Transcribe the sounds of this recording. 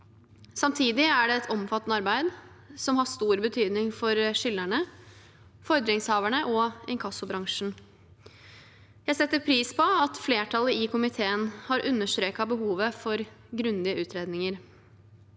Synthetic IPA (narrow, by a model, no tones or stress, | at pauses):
sɑmt̪ʰiːd̪ɪæɖɛɛt̪ʰɔmfɑt̪ːənəɑɾbæɪd̪ | sɔmhɑʂt̪uːɾbət̪ʰyːd̪nɪŋfɔɾʂʏlːæɳə | fɔɾd̪ɾɪŋshɑːʋæɳəʔɔɛŋkʰɑsʊbɾɑŋʂn̩ | jæɪsɛt̪ːəɾpʰɾiːspʰɔɑt̪fleːʈʰɑləɪkʰʊmɪt̪ʰeːənhɑɾʔʉnːəʂt̪ɾeːkɑbəɦuːʋəfɔɾ | ɡɾʉnd̪ɪəʔʉːt̪ʰɾeːd̪nɪŋəɾ